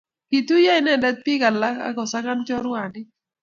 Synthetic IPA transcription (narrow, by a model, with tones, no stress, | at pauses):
pi˨t̪u˦ja˦ɪ˦nɛ˦˨dɛ˦t̪̚pi˦ɡa˨la˦ka̰˦ɡɔ˨sa˦ka˦nt͡ʃɔ˦ɾʊ˦a˨nɪ˦